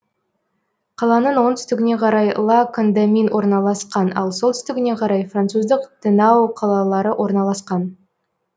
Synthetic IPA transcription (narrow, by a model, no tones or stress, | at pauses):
qʰɑlˠɑnənwo̞nt̪ʰʏst̪ɪɡʲɪne̞qʰɑɾɑjlˠɑkʰond̪aminwʔo̞ɾnɑlˠɑsqɑnɑ̰lˠso̞lˠt̪ʏst̪ɪɡʲɪne̞qʰɑɾɑjfrant̪suzd̪əqd̪̥ənɑwqʰɑlˠɑlˠɑɾəwʔo̞ɾnɑlˠɑsqɑn